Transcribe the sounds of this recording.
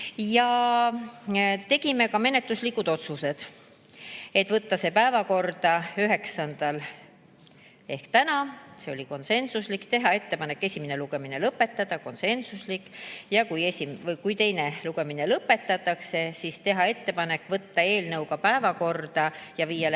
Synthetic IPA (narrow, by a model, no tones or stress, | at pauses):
jɑ | t̪e̞ɡ̥ime̞kɑme̞ne̞t̪luslikːˑud̪̥o̞t̪suse̞d̪̥ | e̞t̪ːvɤt̪ːɑse̞ːpæevɑko̞rd̪̥ɑyɦe̞ksɑnd̪̥ɑl | e̞hkt̪ænɑse̞o̞lʲiko̞nse̞nsuslikt̪e̞ɦɑe̞t̪ːe̞pɑnekːˑe̞sʲimene̞luɡ̥e̞mine̞lɤpːe̞t̪ːˑɑd̪̥ɑko̞nse̞nsuslikːˑjɑkujesʲimvkujt̪e̞jne̞luɡ̥e̞minelɤpːˑe̞t̪ːɑt̪ːˑɑkse̞sist̪e̞ɦɑe̞t̪ːe̞pɑne̞kːˑvɤt̪ːɑe̞ːlnɤwɡɑpæevɑko̞rd̪̥ɑjɑviːjɑl